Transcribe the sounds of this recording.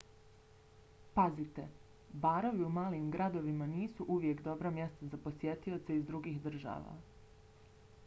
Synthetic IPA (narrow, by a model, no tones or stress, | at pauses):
pazit̪e̞ | baːɾo̞ʋiumaːlimɡɾad̪o̞ʋimaniːsuʔuʋje̞kd̪o̞bɾamje̞st̪azapo̞sje̞t̪io̞t̪seizd̪ɾuɡixd̪r̩ʒa̰ːʋa̰ː